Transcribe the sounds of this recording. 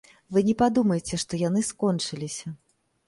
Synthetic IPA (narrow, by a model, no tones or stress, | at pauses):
vɨnʲɛpad̪umɐjet͡sʲɛʂt̪ɔjan̪ɨskɔnt͡ʂɨlʲisʲɐ